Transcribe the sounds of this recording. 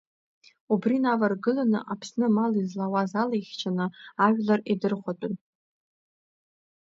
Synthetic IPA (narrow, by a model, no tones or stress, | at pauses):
ubrinavarɡɨlanɨ̰ʔapʰsnɨmalizlawazalajχʲt͡ʃʰanɨaʒʲᶣlaridɨrχʷatʼʊn